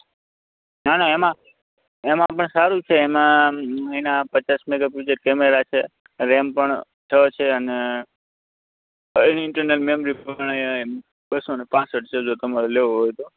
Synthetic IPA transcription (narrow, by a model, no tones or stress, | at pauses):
nanaemã | emãpəɳsaɾũt͡ʃʰeːmãəinapət͡ʃasmeɡapud͡ʒəʈ̚kemeɾat͡ʃʰe | ɾɛmpəɳ | t̪ʰəet͡ʃʰeəne | nɪɳʈəɾnəlmemɾiaɳ̃ajam | bəsonepãsəʈ̚t͡ʃʰed͡ʒot̪əmaɾoleʋoɦojt̪o